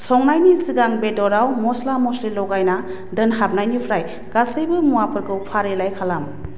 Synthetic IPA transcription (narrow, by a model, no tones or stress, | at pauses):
sɔŋnajnisiɡaŋbedɔɾawmɔslamɔsɾilɔɡajna | dɯnɦap̚najnipʰɾaj | kasɯjbɯmuapʰɯɾkʰɯwpʰaɾelajkʰalam